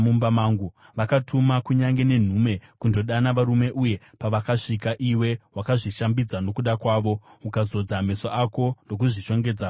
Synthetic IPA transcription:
mumbamaːŋɡu | ʋakatʰumakuɲaŋɡe̞ne̞n̤uːme̞kundo̞ɗanaʋaɾume̞ʔuje̞ | paʋakaʂikaʔiwe̞wakaʐiʃambid͡zano̞kuɗakwaːʋo̞ukazo̞d͡zame̞soʔako̞ndo̞k̬uʐit͡ʃo̞ŋɡed͡za

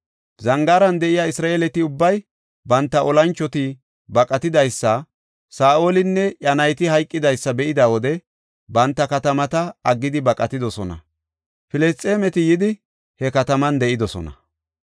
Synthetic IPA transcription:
zɐŋɡaːɾɐnd̪ɛʔɪjaːɪsɾaːeːlɛt̪ɪʊbːɐj | bɐnt̪ːɐɔlɐnt͡ʃːɔt̪ɪ | bɐkʼɐt̪ɪd̪ɐjsːɐ | saːʔoːlɪnːɛʔɐnɐjt̪ɪhɐjkʼːɪd̪ɐjsːɐbɛʔɪd̪awɔd̪ɛ | bɐnt̪ːɐkɐt̪ɐmɐt̪ɐːɡːɪd̪ɪbɐkʼːɐt̪ɪd̪ɔsɔnɐ̰ | fɪlɛst̪ʼːeːmɛt̪ɪjɪd̪ɪ | hɛkɐt̪ɐmɐnd̪ɛʔɪd̪ɔsɔ̰nɐ̰

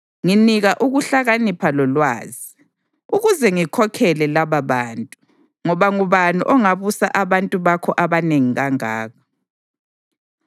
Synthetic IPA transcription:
ŋiniɣaʔuɣuɬaɣanipʰalɔlwa̰ːzi | uɣuzɛŋikʰɔkʰɛlɛlaβaβaːntʼu | ŋɔβaŋuβanuʔɔŋaβusa̰ʔaβantʼuβakʰɔʔaβaneŋiɣaŋa̰ːɣɔ̥

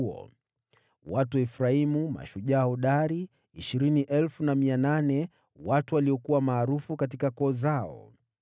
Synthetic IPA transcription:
ɔ̰ | watuɛfɾaimuma̰ʃuʄaɔɗaɾi | iʃiɾiniʔɛlfunamiananɛ | watuwaliɔkuwamaːɾufukat̬ikakɔːzaɔ̰

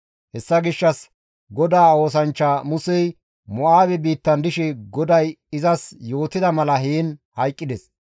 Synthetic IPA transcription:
hɛsːɐɡɪʃːɐs | ɡɔd̪aːo̞ːs̬ɐnt͡ʃːaːmʊsɛj | mɔʔaːbɛbiːt̪ːɐnd̪ɪʃɛɡɔd̪ɐj | ɪzɐsjo̞ːt̪ːɪd̪ɐmɐlɐɦiːnhɐjkʼːɪd̪ɛs

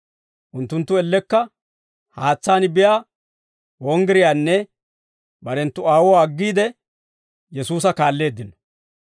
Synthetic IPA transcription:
ʔʊnt̪ːʊnt̪ːʊɛlːɛkːɐ | haːt͡sːaːnɪbɪjaː | wɔŋɡɪɾɪjaːnːɛ | bɐɾɛnt̪ːʊaːwɔwaːɡːiːd̪ɛ | jɛsuːs̬ɐkaːlːe̞ːd̪ːɪnɔ̥

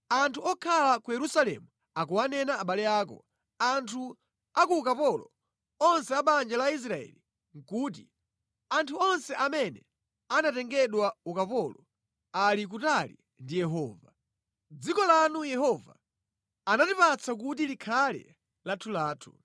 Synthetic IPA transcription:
antʰuɔkʰalakujɛɾusalɛ̰mu | akuwanɛnaːɓalɛaːkɔ̰ | antʰu | akuːkapɔlɔ̰ | ɔnsɛaɓand͡ʒalais̬ɾaɛ̰li | ŋ̩kuːt̬ḭ | antʰuɔnsɛʔamɛnɛ | anatɛŋɡɛɗwaukapɔlɔ | alik̬utalḭ | ndijɛɦɔːva | d͡zikɔlanujɛɦɔva̰ː | natipat͡sʰak̬ut̬ilikʰalɛ̰ | latʰulaːtʰu̥

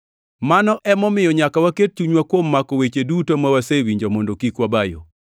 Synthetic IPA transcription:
manɔʔɛmɔmɪjɔɲakawaket̚t͡ʃuɲwakwomːakɔwet͡ʃedutomawasewiɲd͡ʒɔmondokikwabajo̰

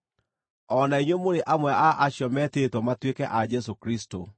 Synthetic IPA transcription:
ɔnaiɲwemoɾeʔamwɛaʔaɕjɔmɛtetwɔmatwekɛʔad͡ʒɛs̬okɾisto

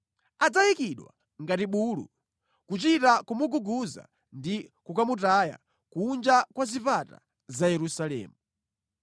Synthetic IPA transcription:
ad͡zajikiɗwa̰ | ŋɡatiɓuːlṵ | kut͡ʃitakumuɡuɡuza̰ | ndikukamutaja̰ | kuːnd͡ʒakwazipata̰ | zajɛɾusalɛ̰ːmu

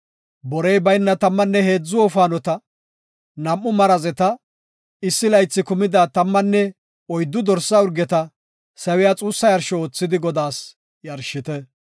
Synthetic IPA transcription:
bɔɾɛjbɐjnːɐt̪ɐmːɐnːɛhe̞ːd͡zːʊwɔfaːnɔt̪ɐ | nɐmʔːʊmɐɾɐzɛt̪ɐ | ɪsːɪlɐjt͡sːɪkʊmɪd̪aːt̪ɐmːɐnːɛ | ɔjd̪ːʊd̪ɔɾsːɐʊɾɡɛt̪ɐ | sɐwɪjat͡sʼuːsːɐjɐɾʃɔoːt͡sːɪd̪ɪɡɔd̪aːs | jɐɾʃːɪt̪ɛ

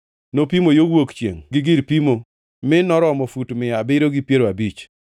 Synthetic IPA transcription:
nopimojowokt͡ʃjḛŋɡɪɡɪɾpimo | mɪnɔɾɔmɔfutmɪabɪɾoɡɪpjeɾoabit͡ʃ

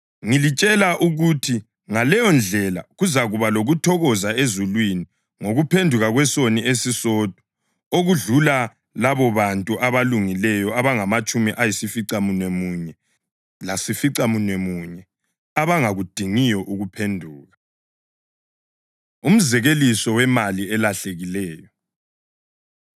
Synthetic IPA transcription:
ŋilit͡ʃʼɛlaʔuɣutʰi | ŋalɛjɔnd͡ɮʱɛla̰ɣuzaɣuβaloɣutʰɔɣɔzaezulwini | ŋoɣupʰendʱuɣaɣwɛsoniesisɔd̥ʱɔ̥ | oɣuɮula | laβɔβantʼuʔaβaluŋilɛjɔaβaŋamat͡ʃʼumiʔajisifiǀamunwemuɲɛ | lasifiǀamunwemuɲɛ | aβaŋaɣud̥ʱiŋijɔʔuɣupʰendʱuːɣa | um̩zɛɣelisɔwɛmaliɛlaɬeɣilɛːjɔ

